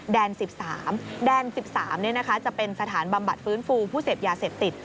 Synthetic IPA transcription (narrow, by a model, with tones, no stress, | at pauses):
dɛː˧nsi˨˩p̚saː˩˦mdɛː˧nsi˨˩p̚saː˩˦mni˥˩ɐna˦˥kʰa˦˥t͡ɕa˨˩pe˧nsa˧t̪ʰaː˩˦nba˧mba˨˩t̪̚fɯː˦˥nfuː˧pʰuː˥˩seː˨˩p̚jaː˧seː˨˩p̚t̪i˨˩t̪̚